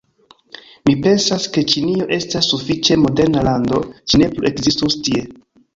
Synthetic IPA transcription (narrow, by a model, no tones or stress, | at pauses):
mipe̞nsaske̞t͡ʃinio̞ʔe̞stasːufit͡ʃe̞mo̞de̞ɾnalando̞t͡ʃine̞pluʔe̞kzistustie̞